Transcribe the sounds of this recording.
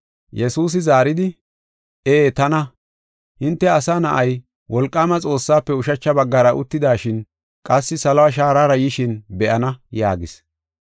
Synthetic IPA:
jɛsuːs̬ɪzaːɾɪd̪ɪ | ʔeːt̪ɐnɐ | hɪnt̪ːɛɐsaːnɐʔɐj | wɔlkʼːaːmɐt͡sʼo̞ːsːaːpːɛʊʃɐt͡ʃːɐbɐɡːɐɾɐʔʊ̰t̪ːɪd̪aːʃɪn | kʼɐsːɪsɐlɐwaʃ̬aːɾaːɾɐjɪʃɪnbɛʔɐnɐja̰ːɡɪs

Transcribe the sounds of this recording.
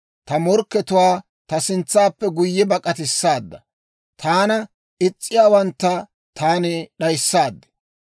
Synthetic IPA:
t̪ɐmɔɾkːɛt̪ʊwaː | t̪ɐsɪnt͡sːaːpːɛɡʊjːɛbɐkʼɐt̪ɪsːaːd̪ːɐ | t̪ʰaːnɐ | ʔɪt͡sʼːɪjaːwɐnt̪ːɐ | t̪ʰaːnɛɗɐjsːaːd̪ːɛ̥

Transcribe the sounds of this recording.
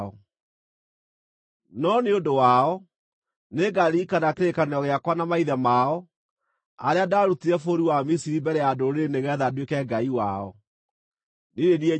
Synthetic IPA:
ɔ | nɔneondowaɔ | neɡaɾiːkanakeɾekaneɔɣeakwanamaiðɛmaɔ | aɾeadaɾutiɾɛfoɾiwamisiɾimbɛɾɛjadoɾeɾeneɣɛðadwekɛɡaiwa̰ɔ̰ | neɾeniɛ

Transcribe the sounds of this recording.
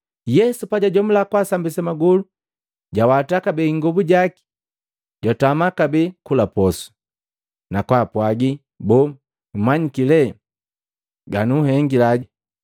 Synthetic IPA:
jɛsupaɟaɟɔm̩lakwasambisɛmaɡulu | ɟawatakabɛŋɡɔbuɟaki̥ | ɟɔtamakabɛkulapɔsu̥ | nakwapwaɡi | bɔ | maɲikilɛ | ɡanuhɛŋɡilaɟi

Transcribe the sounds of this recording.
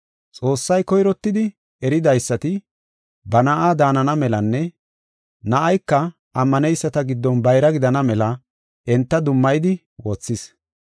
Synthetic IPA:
t͡sʼo̞ːsːɐjkɔjɾɔt̪ːɪd̪ɪ | ɛɾɪd̪ɐjsːɐt̪ɪ | bɐnɐʔaːd̪aːnɐnɐmɛlɐnːɛ | nɐʔɐjkːɐ | ʔɐmːɐnɛjsːɐt̪ɐɡɪd̪ːɔnbɐjɾɐɡɪd̪ɐnɐmɛlɐ | ʔɛnt̪ːɐd̪ʊmːɐjd̪ɪ | woːt͡sːɪs

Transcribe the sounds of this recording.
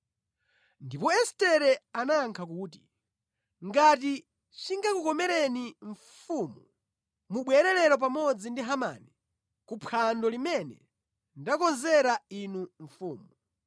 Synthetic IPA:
ndipɔɛstɛɾɛanaŋkʰakuːt̬i | ŋɡat̬i | t͡ʃiŋɡakukɔmɛɾɛniɱ | fuːmu | muɓwɛɾɛlɛɾɔpamɔd͡zindiɦama̰ːni | kupʰandɔlimɛnɛ̰ | ndakɔnzɛɾainuɱfuːmu

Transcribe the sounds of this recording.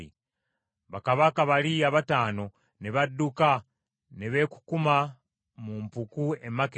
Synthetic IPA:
i | βakaβakaβaliaβataːno̞ | ne̞βadːuka | neβe̞ku̥kuma | mumpukue̞mak

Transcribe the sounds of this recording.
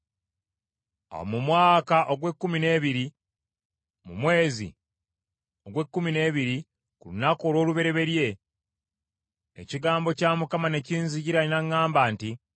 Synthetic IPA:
o̰mumwaːkaʔo̞ɡwe̞kːumine̞ːβiɾi | mumwe̞ːzḭ | oɡwe̞kːumine̞ːβiɾi | kulunakoːlo̞ːluβe̞ɾe̞βe̞ɾje̞ | ḛciɡaːmbo̞caːmukamane̞ciːnziɟiɾalinaŋːaːmbaːnti

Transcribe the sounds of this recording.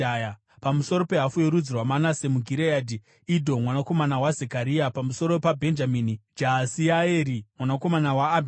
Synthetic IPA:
ja | pamuso̞ɾo̞pe̞ɦafujoɾud͡zirwamanase̞muɡʱiɾejadʱi | idʱo̞mwanako̞manawazekaɾiapamuso̞ɾo̞pabʱe̞nd͡ʒamiːnid͡ʒasiaeːɾimwanako̞manawaːbʱ

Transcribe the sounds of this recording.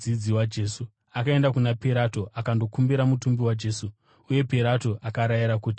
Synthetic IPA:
id͡ziwad͡ʒe̞ːsu | akae̞ndakunapeɾato̞ʔakando̞kumbiɾamutumbiwad͡ʒe̞ːsu | uje̞peɾatoʔakaɾajiɾakuːti̥

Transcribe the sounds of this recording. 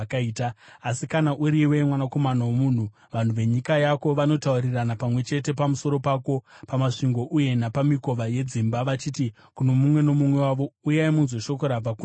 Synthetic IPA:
kaitaːsikanaʔuɾiwe̞mwanakomanawomuːn̤u | ʋan̤uʋe̞ɲikajako̞ʋano̞tauriranapamwe̞t͡ʃe̞te̞pamuso̞ɾo̞paːko̞pamaʂiŋɡo̞ʔuje̞napamiko̞ʋaje̞d͡zimbaʋat͡ʃiːti | kuno̞mumwe̞no̞mumwe̞waʋoujaimunzwoʃo̞koɾab͡vaku

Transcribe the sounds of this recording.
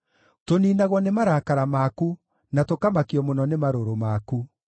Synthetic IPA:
toniːnaɣwɔnemaɾakaɾamaku | natokamakiɔmonɔnemaɾoɾomaku

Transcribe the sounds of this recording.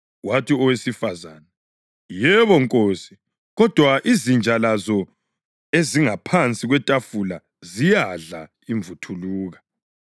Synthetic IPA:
watʰiɔwesifaza̰ːna | jɛβɔŋkʼoːsi̥ | ɣɔd̥ʱwaʔizind͡ʒʱalazɔ | eziŋapʰant͡sʼiɣwɛtʼafula | zijaɮa | iɱvʱutʰuluːɣa

